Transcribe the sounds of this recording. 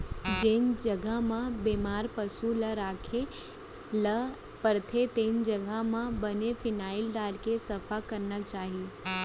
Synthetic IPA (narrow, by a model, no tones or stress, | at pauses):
d͡ʒɪnd͡ʒəɡʱamãbeːmaːɾpəsuləɾaːkʰe | lə | pəɾt̪ʰet̪eːnd͡ʒəɡʱamãbənefɪnaːɪlɖaːlkesɐfʰakəɾnat͡ʃaːɦie